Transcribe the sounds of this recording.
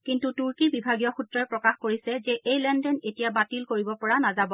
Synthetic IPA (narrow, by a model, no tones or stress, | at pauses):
kintutuɹkibibʱaɡijɔxutɹaɹpɹɔkaxkoɹisɛzɛʔejlɛndɛnetijabatilkoɹibɔpɔɹanazabɔ